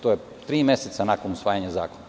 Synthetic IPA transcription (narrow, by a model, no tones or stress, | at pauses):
t̪oje | t̪ɾiːmeset̪sanakonusʋaːjaɲaza̰ːkona